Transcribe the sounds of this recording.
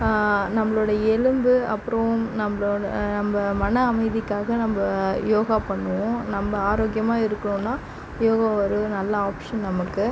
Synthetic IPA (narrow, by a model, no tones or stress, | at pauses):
nɐmːɐɭoːɽɐɛlɯmbɯɐ̰pːɯɾɐʊ̃nɐmɐɭoɽɐ̰nɐmbɐmɐnɐːmɐɪðɪkːaːɣɐnɐmbɐjoːɣapɐɳːɯʋʊ̃nɐmbɐaːɾoːɡɪjɐmaːɪɾɯkːɐɳʊ̃nːaː | joːɣɐɔɾɯnɐlːɐaːpʂɐnnɐmɐkːɯ